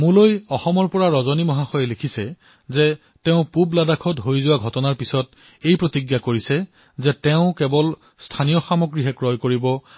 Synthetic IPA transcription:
mũlojɔxɔmɔɹpɔɹaɹɔzɔnimɔɦaxɔjɛlekʰisɛ | zɛ | tɛʊ̃publadakʰɔtɦojzʊwaɡʱɔtɔnaɹpisɔt | ejpɹotiɡjakoɹisɛ | zɛtɛʊ̃kɛbɔl | stʰanijɔxamɔɡɹiɦɛkɹɔjkoɹibɔ

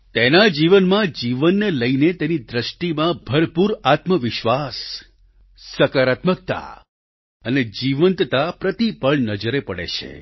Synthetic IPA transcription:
t̪enad͡ʒiʋənmãd͡ʒiʋənːeləinet̪enid̪ɾəʃʈimãbʱəɾpuɾat̪məʋɪʃʋasː | əkaɾat̪mək̚t̪a̰ | əned͡ʒiʋənt̪t̪apɾət̪ipəɭnəd͡ʒəɾepəɽḛt͡ʃʰḛ

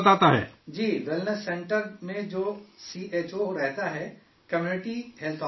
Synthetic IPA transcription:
t̪aːt̪aɦɛ̰ːd͡ʒiːʋɪlnəsːẽɳʈəɾmẽd͡ʒoːsiːʔeːt͡ʃoɾɛɦt̪aɦɛ | kɐmjuːnɪʈiɦɛlt̪ʰɔ

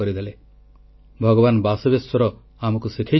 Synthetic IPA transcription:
ɔɾid̪ʱele | bʱɔɡɔbanbasɔbesɔɾɔ | amɔkusikʰa

